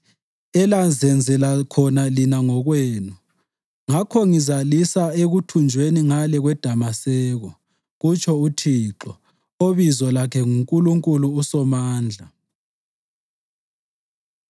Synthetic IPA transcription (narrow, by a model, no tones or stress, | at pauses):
ɛland͡zʱɛnd͡zʱɛlakʰɔnalinaŋɔɣweːnu | ŋakʰɔŋizalisaeɣutʰund͡ʒʱweniŋalɛɣwɛd̥ʱamasɛːɣɔ | ɣut͡ʃʰɔutʰiːǁɔ | oβizɔlakʰɛŋuŋkʼuluŋkʼuluːsɔmaːnd͡ɮʱa